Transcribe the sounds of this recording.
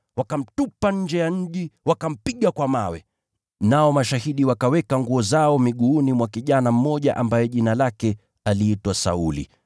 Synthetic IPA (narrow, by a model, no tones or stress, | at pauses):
wakam̩tupaɲ̩d͡ʒɛjaɲ̩ʄiwakam̩piɠakwamawɛ̰ | naɔmaʃaɦiɗiwakawɛkaŋɡuɔzaɔmiɠuːnimwakiʄanam̩mɔʄa̰ʔambajɛʄinalakɛ | aliitwasa̰ulḭ